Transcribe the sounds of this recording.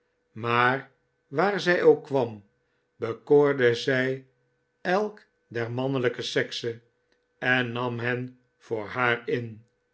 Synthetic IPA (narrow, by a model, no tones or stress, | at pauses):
maːr | ʋaːɹzɛjowkʋɑm | bəkoːɹdəzɛj | ɛlˠk | dɛɹmɑnələkəsɛksə | ɛnːɑmɦɛn | v̥ʊːɹɦaːɹɪn